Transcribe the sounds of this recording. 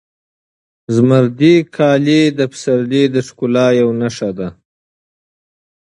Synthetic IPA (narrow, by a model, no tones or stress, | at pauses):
zmaɾd̪ikʰɑːled̪əpsaɾled̪əʂkulɑjawnaʂad̪a